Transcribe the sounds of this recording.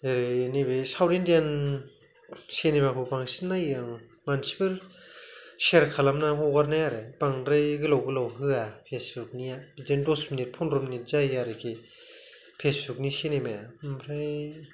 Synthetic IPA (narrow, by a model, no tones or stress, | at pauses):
eɾɯnebesawɾendjan | senemakʰɯbaŋsinːajɯŋmansi̥pɯl | seɾkʰalamnaɦoɡaɾnajaɾeb̥aŋɾejɡɯlawɡɯlawɦɯapʰesbuk̚nijabitendɔsminit̚pʰɔnɾuminit̚zajaɾekʰe | pʰesbuk̚nisenemajampʰɾaj